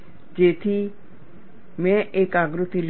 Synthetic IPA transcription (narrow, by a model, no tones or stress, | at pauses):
d͡ʒeːt̪ʰi | mɛ̃ʔeːkaːɡɾʊt̪il